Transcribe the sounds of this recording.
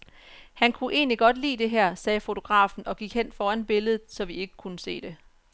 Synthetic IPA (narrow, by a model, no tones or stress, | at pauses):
hænkʰuʔe̝̰ːnliɡ̥ɒ̽d̥lḭːd̥e̝ɦæɐ̰sɛːfo̝t͡sʰo̝ɡ̥ʁɑ̰̈ːfn̩ɒ̽ɡ̥iɡ̥hen̰fɒːænb̥e̝ləð̞̩ˠsɒ̽ʋie̝ɡ̥əkʰunəse̝̰ːd̥e̝